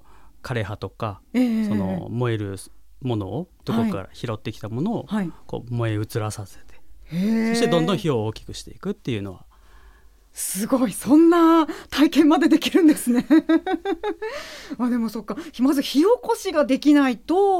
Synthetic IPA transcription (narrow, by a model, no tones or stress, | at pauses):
kʰaɾe̞ɦat̪o̞kaeːso̞no̞̰mo̞eɾɯ̟mo̞no̞̰ːd̪̥okaoikːaɾa̰çiɾo̞t̪ːe̞kʲi̥t̪amo̞no̞ːhaiko̞̰ːmo̞e̞ɯ̟t͡sɨɾasase̞̥t̪ehesoɕit̪eond̪õ̞çiooːkʲi̥kɯ̟̥ɕi̥t̪e̞ikɯ̟t̪ːe̞jɯ̟no̞βa | sɨɡo̞isõ̞nːat̪aikẽ̞mmːad̪e̞d̪e̞kʲiɾɯ̟̃nd̪e̞sɨne̞ | βad̪e̞mo̞so̞kːamazɨçio̞ko̞ɕiɡad̪e̞kʲinait̪o̞